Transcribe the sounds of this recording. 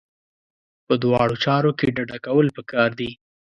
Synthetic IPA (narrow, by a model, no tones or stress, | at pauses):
pəd̪wɑɽot͡ʃɑɾokeɖaɖakawəlpəkɑɾd̪i